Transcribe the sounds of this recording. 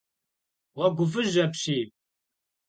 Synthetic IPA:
wɐɡʷʊfɨʒɐpɕiː

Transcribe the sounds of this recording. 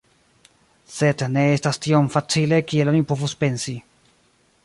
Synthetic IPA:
se̞dne̞estastiomfat͡sile̞kie̞lonipo̞vuspe̞nsi

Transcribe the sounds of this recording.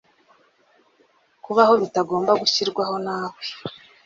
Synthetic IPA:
kuβaho̞βitaɡo̞ːmbaɡuçiɾɡwaho̞naːwe

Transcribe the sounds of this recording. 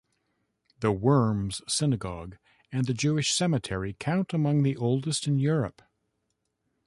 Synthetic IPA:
ðəwɜ̃˞mz̥sɪnɨɡɑɡ | ɨ̃nðɨd͡ʒʉɨʃsɛmɨtʰɛɹikʰãʊ̃ntəmʌ̃ŋðiʔoʊlˠdɨstɨ̃njʊɹɨ̰p

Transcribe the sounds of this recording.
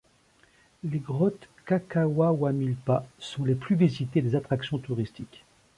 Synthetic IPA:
leɡʁɔt̪kakawawamilpasɔ̃leplyvezit̪ed̪ezat̪χaksjɔ̃t̪uʁist̪ik

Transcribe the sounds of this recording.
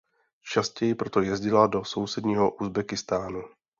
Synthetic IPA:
t͡ʃascɛjɪpɾo̞t̪o̞jɛzɟɪlado̞so̞wsɛdɲiːɦoʔuzbɛkɪst̪aːnu

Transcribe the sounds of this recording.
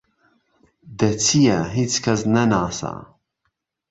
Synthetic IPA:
d̪ɐt͡sʰijɛɦit͡skʰɐs̬nɐnaːsa̰

